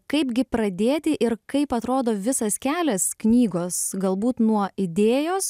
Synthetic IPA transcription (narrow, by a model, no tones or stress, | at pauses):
kɐɪpɡʲɪpɾɐd̪ʲeːt̪ʲɪʔɪɾkɐɪpɐt̪ɾoːd̪oːʋʲɪsɐskʲæːlʲɛsknʲiːɡoːsɡɐlˠbuːt̪nuɔɪd̪ʲeːjoːs